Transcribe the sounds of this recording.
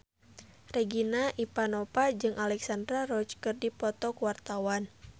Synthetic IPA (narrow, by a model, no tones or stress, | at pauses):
rɛɡinaʔipanɔpad͡ʒɨŋʔalɛksandɾaɾɔt͡ʃkɨrdipɔt̪ɔkuwart̪awan